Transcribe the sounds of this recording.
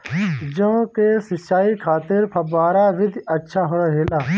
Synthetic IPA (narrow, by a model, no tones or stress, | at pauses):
d͡ʒõkesɪt͡ʃaːikʰaːt̪ɪɾpʰɐbaːɾaːʋɪd̪ʱɐtːʃʰaːɦoɾaɦeːlaː